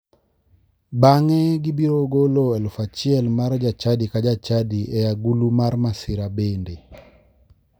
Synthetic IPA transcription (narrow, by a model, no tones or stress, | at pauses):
baŋɛɡibiɾoɡoloɛlfat͡ʃɪɛlmaɾd͡ʒat͡ʃadikad͡ʒat͡ʃadiɛjaɡulumaɾmasɪɾabende